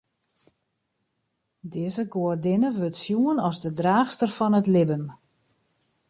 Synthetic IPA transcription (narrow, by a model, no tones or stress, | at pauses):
dɪːzəɡoərdɪnəʋøtsjuənɔzdədraːxstərfɔnətlɪbəm